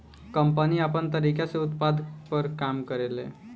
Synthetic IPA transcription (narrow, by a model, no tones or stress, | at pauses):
kəmpəniːapəɳt̪əɾikjat͡seut̪pad̪pəɾkamkəɾelḛ